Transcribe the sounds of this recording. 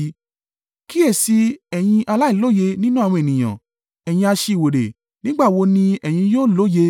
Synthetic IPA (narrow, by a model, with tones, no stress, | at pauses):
ki˦e˦˨si˧ɛ˨j̃ĩ˧ʔa˧la˦i˦˨lo˦je˧nĩ˦nũ˦˨ɔ̃˧e˨nĩ˨j̃ã̰˨ | ɛ˨j̃ĩ˧a˧ʃe˧i˨wo˨ɾḛ˨ | nĩ˦ɡ͡ba˦˨wo˧˦nĩ˧ɛ˨j̃ĩ˧joː˦lo˦je˧